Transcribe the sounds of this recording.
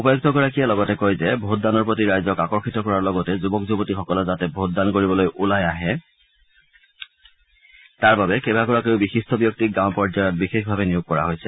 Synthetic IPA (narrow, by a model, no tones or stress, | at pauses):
upɔjɔɡtɔɡɔɹakijɛlɔɡɔtɛkojzɛbʱotdanɔɹpɹotiɹajzɔkakɔɹxitɔkɔɹaɹlɔɡɔtɛzubɔkzubɔtixɔkɔlɔzatɛbʱot̚dankoɹibɔlojʔulajaɦɛ | taɹbabɛkebakɔɹakeʊbixistʰɔbjɔk̚tik̚ɡãʊpɔɹzajɔt̚bixexbʱabɛnijoɡ̚kːɔɹa̰ɦojsɛ̥